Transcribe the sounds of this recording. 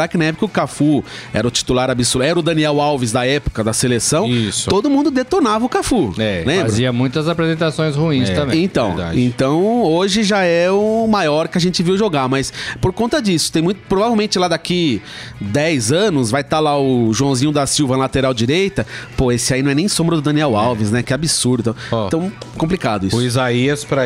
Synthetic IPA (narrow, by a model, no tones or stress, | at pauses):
akɪnɛɛbkɪʊkafuɛ̰ɾɐʊt͡ʃi̥t̪ulaɾabisuɛɾʊd̪ɐ̃niɛwawvɪzd̪ɐɛpʊ̥kɐd̪ɐselesɐ̃w̃isod̪ʊmũnd̪ʊd̪et̪oɾnavɐʊkafuɛlẽmbaɾzʊiɐmũj̃t̪ɐzapɾezẽnt̪asõj̃shuĩst̪ɐ̃mbẽẽt̪ɐ̃w̃d̪a̰d͡ʒḛ̃nt̪ɐ̃w̃oʒɪʒaɛʊmajɔɾkɪaʒẽnt͡ʃɪviwʒoɡaɾmɐspoɾkõnt̪ɐd͡ʒisʊt̪ẽj̃mũj̃t̪ʊpɾovavewmẽnt͡ʃɪlad̪aki | d̪ɛjzɐ̃nʊsvajt̪alaʊʒuɐ̃w̃zĩɲʊd̪ɐsiwvɐlat̪eɾawd͡ʒiɾejt̪ɐpoesɪainɐ̃w̃ɛnẽj̃sõmbɾɐd̪ʊd̪ɐ̃niɛwawvɪsnɛ̃kɪɛabisuɾd̪ʊt̪ãɐ̃w̃kõmp̬likad̪ʊisizaiɐspɾɐ